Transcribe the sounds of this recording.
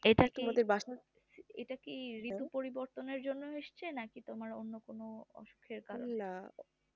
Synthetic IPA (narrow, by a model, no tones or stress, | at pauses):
eʈakt̪oimad̪eɾbaʃa | ḛʈakiɾit̪upoɾiboɾt̪oneɾd͡ʑonːoɦeʃt͡ɕʰenakit̪omaɾo̰nːokonoɔ̰ʃu̥kʰːeɾkaɾona